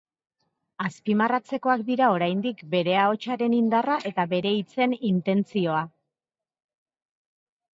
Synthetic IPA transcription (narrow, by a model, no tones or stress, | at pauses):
aspimarat͡se̞ko̞akd̪iɾao̞ɾajnd̪ikbe̞ɾe̞ao̞t͡ʃaɾe̞nind̪araʔe̞t̪aβe̞ɾe̞it͡se̞nint̪e̞nt͡sio̞a